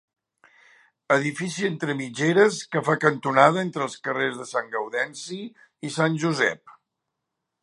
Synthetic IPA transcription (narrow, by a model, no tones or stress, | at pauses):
əðifisient̪ɾəmid͡ʒeɾəskəfakənt̪unað̞əent̪ɾəːlˠskərezðəsaŋɡəwðɛnsi | isanʲʒuzɛ̰p̚